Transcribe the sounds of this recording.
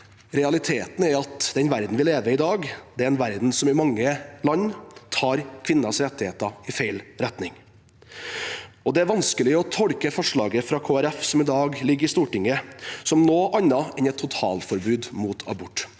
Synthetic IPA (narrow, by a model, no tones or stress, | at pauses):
ɾɛɑlɪt̪ʰeːt̪n̩æɾɑt̪d̪̥ɛnʋæɾd̪n̩ʋɪleːʋəɪd̪ɑːɡd̪̥ɛæɾɛːnʋæɾd̪n̩sɔmɪmɑŋːəlɑnːt̪ʰɑːɾkʰʋɪnːɑsɾɛt̪ːɪheːt̪ɑɪfeɪlɾɛt̪nɪŋ | ɔd̪ɛæɾʋɑnskəlɪɔt̪ʰɔɽkəfɔʂɭɑːɡəfɾɑkʰoːæɾɛfsɔmɪd̪ɑːɡlɪɡːəɾɪst̪uːʈɪŋːəsɔmnoːʔɑnːɑɛnɛt̪ʰːʊt̪ʰɑ̰ːlfɔɾbʉːd̪muːt̪ʰɑ̰bʊʈː